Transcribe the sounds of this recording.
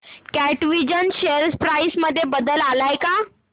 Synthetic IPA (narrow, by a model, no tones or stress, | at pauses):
kæʈʋid͡ʑənɕeɾspɾaisməd̪ʱːjebəd̪əlalajka